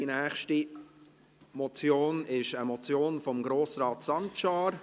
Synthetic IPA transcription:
inæːχʃti | mɔt͡sjoːnɪʃəmɔt͡sjoːnfɔmɡɾoːsɾɑːt̪sɑntʃɑːɾ

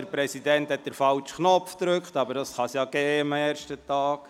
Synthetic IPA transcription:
əɾpɾɛsidɛnthɛt̪̚d̥̪əɾfɑlt͡ʃχnɔpfd̪ɾɵkχt̪ɑbəɾdɑsχɑsjɑːɡeːmɛːɾʃtət̪ɑːk

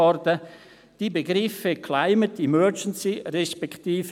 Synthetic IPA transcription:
ɔɾdə | d̥ibeɡɾɪfəkʰlaɪmətimœd͡ʒənsirɛʃpɛktiːf

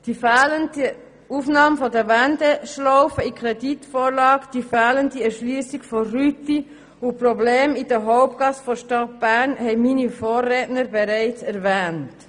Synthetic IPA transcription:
d̥ifɛːləndə | uːfnɑːmfɔdəvɛndəʃlɔʊfəikʰɾɛditfoːɾlɑːkd̥ifɛːləndiɛɾʃlyːsɪɡforyti | ʊprobleːmid̥əɦɔʊp̚tɡ̥ɑsfɔʃtɑt̚b̥æɾnhɛɪminifoːrːɛːtnəɾbɛɾɛɪt͡sɛɾvɛːnt

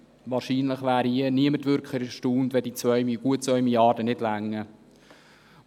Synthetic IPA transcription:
vɑːɾʃiːnləχʋæːɾiəniəmətʋʏɾkʰlɪʃtuːndvɛdiːt͡svœʏmiɡ̥uət̚t͡sʋœʏmiljɑːdənɪdlæŋːə

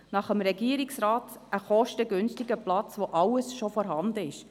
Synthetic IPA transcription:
nɑχəmɾɛɡiəɾɪksɾɑːtʔəχɔʃtəɡʏnstɪɡəplɑt͡sʋoʔɑwəsʃofɔɾɦɑnd̪əɪʃ

